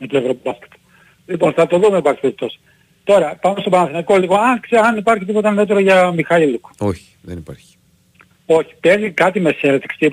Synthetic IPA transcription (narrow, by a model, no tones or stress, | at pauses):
met̪oevɾopbɐsk̪ɐ̥t̪o̥ | lipo̞nθɐt̪o̞ðumeipɐɾçi̥pezipt̪o̞s | t̪o̞ɾɐpɐnost̪o̞bɐnɐθinɐiko̞liɣo̞ɐkseɐnipɐɾçit̪ipo̞t̪ɐnet̪̬oɾoʝɐmixɐilukoçi̥ðenipa̰ɾçi̥ | oçi̥pezikɐt̪imesenet̪i̥ksi̥t̪ip